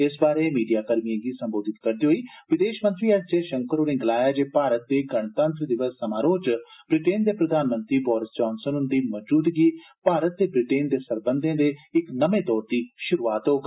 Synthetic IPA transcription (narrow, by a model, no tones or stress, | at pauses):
ɪsbaːɾeːmiːɖijaːkəɾmiãːɡiːsəmboːd̪ɪt̪kəɾd̪eːɦoiːʋɪd̪eːʃmə̃nt̪ɾiːəʈd͡ʒeːʃəŋkəɾoːneːɡəlaːjaːd͡ʒeːpaːɾət̪̚d̪eːɡəɳt̪ə̃nt̪ɾəd̪ɪʋəsːəmaːɾoːd͡ʒb̥ɾɪʈeːnd̪eːpɾəd̪aːnmə̃nt̪ɾiːbɔːɾɪsd͡ʒɔːnsənʊnd̪iːmɔd͡ʒuːd̪ɡiː | paːɾət̪̚d̪eːbɾɪʈeːnd̪eːsəɾbənd̪ẽːd̪eːɪknəmẽːt̪ɔːɾd̪iːʃʊɾuːaːt̪ɦoːɡ